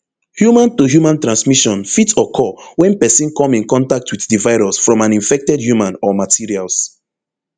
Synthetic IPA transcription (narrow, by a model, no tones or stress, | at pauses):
hjumãntuɦjumãntɹãnsmiʃɔ̃nfitɔkʰɔwɛ̃npɛsĩnkɔ̃mĩnkɔ̃ntak̚tʰwiθdivaɪɹɔsfɹɔ̃mãnĩɱfɛk̚tɛdhjumãnɔmatʰiɹials